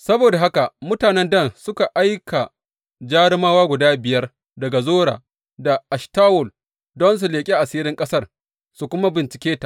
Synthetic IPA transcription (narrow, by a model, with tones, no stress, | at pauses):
sɐ˦boː˨da˨ɦa˦ka˨mʊ˦taː˨nɛ˦ndɐ˦˨nsʊ˦ka˨ʔa˦jkʰa˨ | d͡ʒaː˦ɽɪ˦maː˦waː˦ɡʷʊ˨daː˦bɪ˨jɐ˦r | dɐ˨ɡa˨zoː˦ɽa̰ː˨ | da˨ʔa˨ʃtaː˦wɔ˨l | dɔ˦ns̬u˨leː˨kʲʼi˦ʔa˨siː˦ɾɪ˦ŋkʼɐ˦sɐ˦˨r | su˨kʷʊ˦ma˦bɪ˨nt͡ʃɪ̥˨kʲeː˦ta˨ʔ